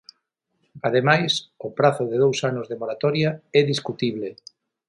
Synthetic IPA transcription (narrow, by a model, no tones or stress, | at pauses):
að̞emajsʊpɾaθʊðeð̞owsanʊzðemoɾat̪ɔɾjaɛðiskut̪iβle